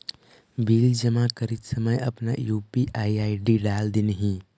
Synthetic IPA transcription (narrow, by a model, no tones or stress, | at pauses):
biːld͡ʒəmakəɾit̪səməjɐpna̰juːpiʔaːiaːiɖiɖaːld̪ɪnɦĩ